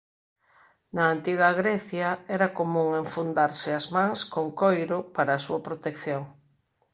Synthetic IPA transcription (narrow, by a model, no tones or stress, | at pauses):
nɐːnt̪iɣɐɣɾɛθjɐɛɾɐkomũŋeɱfund̪aɾsɪazmãŋskoŋkojɾʊpaɾɐːsuɐpɾot̪ekθjoŋ